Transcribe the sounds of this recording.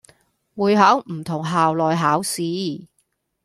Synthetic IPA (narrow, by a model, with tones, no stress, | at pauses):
wuː˨˧jɦɐː˨˥wm̩˨˩t̪ʰʊ˨˩ŋɦaː˨wlɔː˨jɦaː˨˥wsiː˨˥